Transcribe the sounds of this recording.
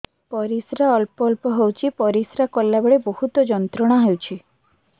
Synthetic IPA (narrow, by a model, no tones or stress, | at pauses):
pɔɾisɾaɔlpɔlpɔɦewt͡ʃʰipɔɾisɾakɔlːabeɭebohut̪ɔd͡ʒɔnt̪ɾɔɽ̃aɦewt͡ʃʰi